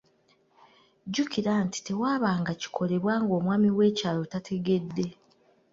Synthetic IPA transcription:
ɟukiɾaːnti̥te̞waːβaːŋɡaci̥kʰo̞le̞βwaːŋɡo̞ːmwaːmiwe̞ːcaːlotatʰe̞ɡe̞dːe̞

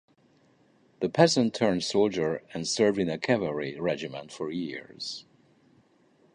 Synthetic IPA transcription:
ðɨpʰɛzə̃ntʰɜ̃˞n̥soʊlˠd͡ʒə˞ɨ̃nsɜ˞vdɨ̃nɨkʰɛvəɹiɹɛd͡ʒɨmə̃ntfə˞jɪɹz̥

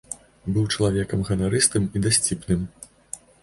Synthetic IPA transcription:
bɨwt͡ʂɐlˠavʲɛkɐmɣɐnaɾɨst̪ɨmid̪asʲt͡sʲipnɨm

